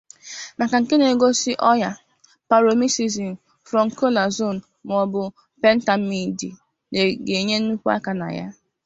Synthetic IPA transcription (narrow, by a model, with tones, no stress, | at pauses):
na˨ka˨ŋ̩˨ke˦ne˨ɡo˦sɪ˦ʔɔ˦ja˦ | pa˨ɾo˨mi˦si˨zi˨n̩˨ | fɾɔ˨ŋ̩˨ko˦la˨zo˦˨n˨ | m˨ɔ˨bʊ˨ | pe˦n̩˦ta˨mi˦di˨ | ne˨ɡe˨ɲe˦n̩˦u˦kʷu˦a̰˦ka˨na̰˨ja̰˦